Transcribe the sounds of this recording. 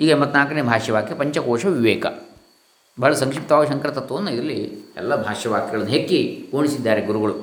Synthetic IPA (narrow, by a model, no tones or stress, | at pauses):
iːɡɐembɐt̪naːkɐneːbʱaːʂjɐʋaːk̪iɐpɐɲt͡ʃɐkoːʂɐʋiʋeːkɐ̰ | bɐɐɭɐsɐŋkʂip̚t̪ɐʋaːɡuʃɐŋkɾɐt̪ɐt̪ʋonːɐiɾlːiɛ̰lːɐbʱaːʂjɐʋaːk̚t̪iɡɐɭɐnːuɦekːikoːɳisid̪ːaːɾeɡuɾuɡɐɭu